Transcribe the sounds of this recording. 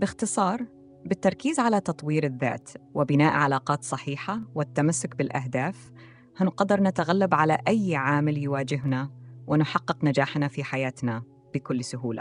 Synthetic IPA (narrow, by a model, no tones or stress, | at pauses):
bɪxt̪ɨsˤɑːɾˤ | bɪt̪ːɑɾˤkiːzʕalat̪ɑt̪ˤwiːɾɪðːa̰ːt̪wɪbɪnaːʔʕalaːqɑːt̪sˤɑħiːħawɪt̪ːamasːʊkbɪlʔaɦd̪aːf | hanqɑd̪ɑɾˤnɪt̪aɣalːabʕalaʔajːʕaːmɪljɪwaːd͡ʒɪɦnawɪnʊħɑqːɪqnad͡ʒaːħnafiħajaːt̪na | b̥ɪkʊlːsʊɦuːla̰